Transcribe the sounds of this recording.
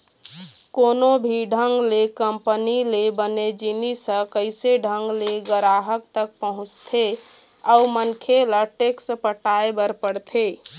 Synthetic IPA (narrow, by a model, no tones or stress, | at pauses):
konobʱiɖʱəŋɡlekəmpənilebəned͡ʒinisə̃kəɪseɖʱəŋɡleɡəɾaɦək̚t̪ək̚pəɦʊ̃t͡ʃt̪ʰe | aumənkʰeləʈeksəpəʈaebəɾpəɽt̪ʰe